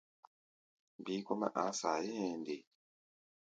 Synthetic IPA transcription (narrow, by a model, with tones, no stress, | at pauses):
bi˦ko˦ma̰˦ʔa˨˦sa˨je˦˨nde˨